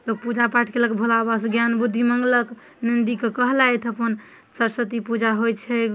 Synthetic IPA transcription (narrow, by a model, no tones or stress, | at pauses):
lok̚pud͡ʒapaʈʰkeləkbʱolabasɡjanbud̪ʱːiməŋɡlək | nind̪ikekəɦlajt̪ʰəpən | səɾsət̪ipud͡ʒaɦojt͡ʃʰɛ